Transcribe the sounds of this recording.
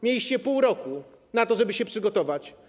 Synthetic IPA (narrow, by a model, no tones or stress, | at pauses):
mʲjeljiɕt͡ɕɛpuwɾɔku | nat̪ɔʐɛbɘɕɛpʂɘɡɔt̪ɔvat͡ɕ